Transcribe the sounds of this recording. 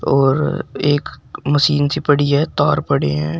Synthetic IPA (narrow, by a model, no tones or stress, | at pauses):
ɔːɾeːkməsiːnsipəɽiɦɛt̪ɔːɾpɐɽeɦɛ̃ː